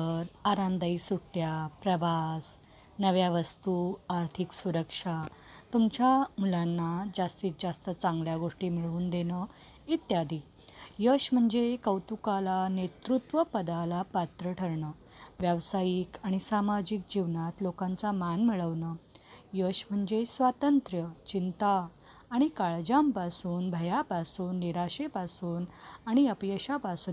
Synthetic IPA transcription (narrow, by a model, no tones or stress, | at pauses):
əɾaɾãnd̪aiːsuʈːjapɾəʋas | nəʋjaʋəst̪uaɾt̪ʰiːksuɾəkʂa | t̪umt͡ɕjamulanːad͡zast̪iːt͡s̚d͡zast̪ət͡saŋɡljaɡoʂʈiːmiɭuːnd̪enə | it̪jad̪ʱiː | jəɕm̤əɳd͡zekəwt̪ukalanet̪ɾut̪ʋəpəd̪alapat̪ɾəʈʰəɾɳəː | ʋjəʋsajiːkaɽ̃isamad͡ʑiːk̚d͡ʑiʋnat̪lokãnt͡samanmiɭəʋnəːjəɕm̤əɳd͡zesʋat̪ənt̪ɾjət͡ɕint̪aː | ɽ̃ikaɭd͡ʑampasuːnbʱəjapasuːnːiɾaɕepasuːnaɽ̃iəpjəɕapasuːn